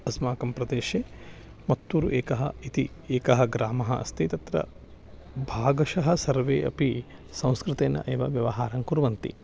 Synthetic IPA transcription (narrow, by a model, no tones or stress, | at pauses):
ɐsmaːkɐmpɾɐd̪eːʃeː | mɐt̪ːuːɾuʔeːkɐɦɐ̰it̪i | eːkɐɦɐɡɾaːmɐɦɐ̰ʔɐ̰st̪ʰit̪ɐt̪ɾɐ̰ | bʱaːɡɐʃɐɦɐsɐɾʋḛːʔɐ̰pi | sɐ̃w̃skɾɪt̪eːnɐ̰ʔeːʋɐʋjɐʋɐɦaːɾɐŋkuɾʋɐnt̪ḭ